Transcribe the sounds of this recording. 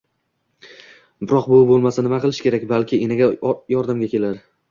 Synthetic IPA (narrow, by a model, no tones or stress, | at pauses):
bɪɾɒqbʊbolˠmasanɪmaqɨlˠɪʃkʲʰe̞ɾakʲbalkʲɪʔenaɡʲajɒɾd̪amɡʲakʲʰelaɾ